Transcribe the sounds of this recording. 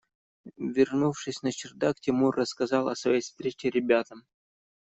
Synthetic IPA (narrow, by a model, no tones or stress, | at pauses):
vʲɪrnufʂɨsʲnət͡ɕɪrd̪aktʲɪmurːəskɐzɑlˠɐsvɐjejfst̪ɾʲet͡ɕɪɾʲɪbʲat̪əm